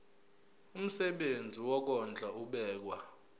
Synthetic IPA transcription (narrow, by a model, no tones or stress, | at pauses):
um̩sɛɓend͡zʱiwɔk̬ɔnd͡ɮʱauɓɛːk̬wa